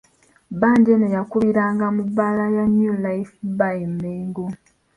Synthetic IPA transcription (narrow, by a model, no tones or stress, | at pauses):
baːndenejakuβiɾaːŋɡamubaːlajaɲjulaifbajmːeːŋɡo